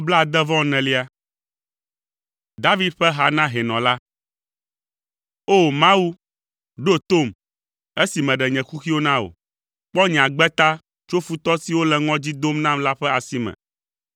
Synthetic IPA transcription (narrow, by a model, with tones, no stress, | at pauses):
o˦bla˦a˨d̪ɛ˦vɔ̃˦nɛ̃˨li˦a˨ | d̪a˦vi˦d̪̚ɸɛ˦ɦa˨nã˦ɦɛ˨nɔ̃˨la˦ | o˦mã˦wu˦ | ɖo˦t̪o˦˨m | e˦si˨mɛ̃˨ɖɛ˨ɲɛ̃˨xu˦xi˦wo˦nã˦o̰˨ | k͡pɔ˦ɲɛ̃˨ã˨ɡ͡bɛ˦t̪a˦ | t͡ʃo˦fu˦t̪ɔ˦si˨wo˦lɛ˨ŋɔ̃˦d͡ʑi˦d̪o˦mnã˦mla˦ɸɛ˦a˨si˦mɛ̰̃˨